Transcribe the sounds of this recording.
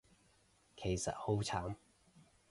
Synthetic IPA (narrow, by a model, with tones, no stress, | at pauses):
kʰe˨˩jsɐ̰˨t̚ho˨˥wt͡sʰaː˨˥m